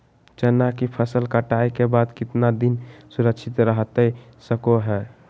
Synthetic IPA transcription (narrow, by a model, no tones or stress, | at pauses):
t͡ʃɛnakipʰəsəlkəʈaekebad̪kɪt̪nad̪insuɾəkʃʰɪt̪ɾəɦt̪əsəkoɦɛː